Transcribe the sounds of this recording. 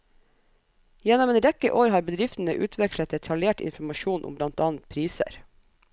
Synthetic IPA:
jɛnɔmeːnɾɛkəʔoːɾhɑːɾbəd̪ɾɪft̪n̩əʔʉːt̪ʰʋɛkʃlət̪̚d̪ɛt̪ʰɑljeːʈɪ̰nfmɑʃuːnʔʊ̰mblɑnt̪ɑːn̩t̪̚pʰɾiːsə̰ɾ

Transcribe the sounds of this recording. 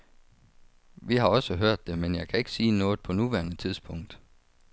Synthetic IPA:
ʋiɦɑ̈ɒ̽səɦøɐ̰d̥ːe̝menjɑ̈ɪkʰæe̝ɡ̥ə̥siːnɔ̽ːð̩ˠpʰɒ̽nuʋæɐnət͡sʰið̞ˠsb̥ʰɔ̽ŋ̰d̥

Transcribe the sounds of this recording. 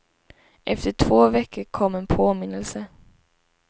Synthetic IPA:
ʔɛft̪əʈʰvoːvɛkʰːəɾkʰɔmːɛnpʰoːmɪnːəlsə

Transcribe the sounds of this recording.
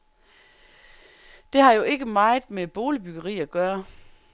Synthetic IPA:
d̥e̝hɑ̈jo̝e̝ɡ̥əmɑ̈ɪð̩ˠmeb̥o̝ːlib̥yɡ̥ɐʁḭːæɡ̥ɶːɐ

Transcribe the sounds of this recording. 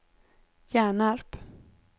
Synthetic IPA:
jæːɳaɾp

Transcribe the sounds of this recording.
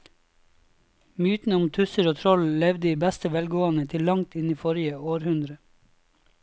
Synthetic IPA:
myːt̪n̩ʊmt̪ʰʉsəɾoːt̪ʰɾɔllɛʋd̪iːbæst̪əʋɛlɡoːɑnət̪ʰɪllɑŋt̪ʰɪniːfɔɾɪəoːɾhʉnd̪ɾə

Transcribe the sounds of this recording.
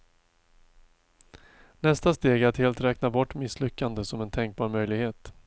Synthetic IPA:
nɛst̪ast̪eːɡæɾt̪heːlt̪ɾɛːknabɔʈːmɪslʏkːand̪əsɔmɛnt̪ʰɛŋk̚bɑːɾmœjlɪɡheːt̪

